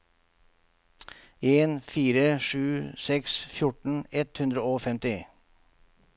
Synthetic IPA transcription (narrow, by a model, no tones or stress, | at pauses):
eːnfiːɾəʂʉːsɛksfjʊʈɳ̩ɛt̪hʉnd̪ɾəoːfɛmt̪ɪ